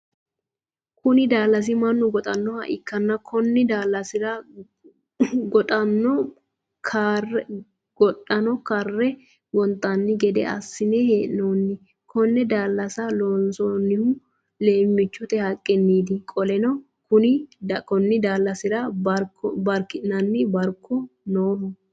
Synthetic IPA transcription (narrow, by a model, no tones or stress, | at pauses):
kʊnɪd̪aːlːɐs̬ɪmɐnːʊɡɔt̪ʼɐnːɔhɐ̰ʔɪ̰kːɐnːɐkʰɔnːɪd̪aːlːɐsɪɾɐ | ɡɔt̪ʼɐnːɔ | kʰarɛ | ɡ̥ɔᶑɐnɔkɐrːɛ | wɔnt̪ʼːɐnːɪɡɛd̪ɛ̰ɐ̰sːɪnɛheːʔnoːnːɪ | kʰɔnːɛd̪aːlːɐsɐloːnsonːɪhʊ | le̞ːmːɪt͡ʃːʊt̪ɛhɐkʼːɛnːiːd̪ɪkʼɔlɛnɔ | kʊnɪkɔnːɪd̪aːlːɐsɪɾɐbɾɔbɐɾkːɪnɐnːɪbɐɾkʰːɔnoːmʊ